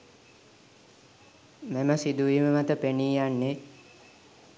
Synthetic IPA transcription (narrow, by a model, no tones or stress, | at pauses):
meməsid̪uʋiməmat̪əpeniːjanːe